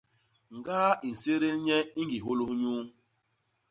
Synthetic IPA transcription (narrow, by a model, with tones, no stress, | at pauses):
ŋ˨ɡa˦i˨n̩˨se˦ɾe˦lɲɛ˦i˦ŋɡi˨ɦo˦lu˦hɲu˦